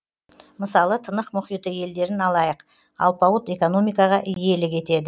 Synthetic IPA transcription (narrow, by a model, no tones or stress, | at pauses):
məsɑlˠət̪ʰənəqmʊχijt̪əje̞ld̪e̞ɾɪnɑlˠɑjəq | ɑ̰lˠpɑwət̪e̞ko̞no̞mijkɑʁɑʔɪje̞lɪkʲʰe̞t̪e̞d̪ɪ